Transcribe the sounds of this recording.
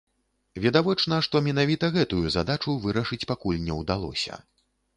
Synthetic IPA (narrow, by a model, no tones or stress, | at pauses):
vʲɛd̪avɔt͡ʂnɐʂt̪ɔmʲɛnavʲit̪ɐɣɛt̪ujuzad̪at͡ʂuvɨɾɐʂɨt͡sʲpakulʲnʲɛwd̪alˠɔ̰sʲɐ̰